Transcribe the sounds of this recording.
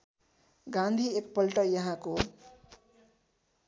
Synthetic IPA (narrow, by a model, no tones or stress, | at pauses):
ɡãnd̪ʱiekpʌlʈʌjʌɦãko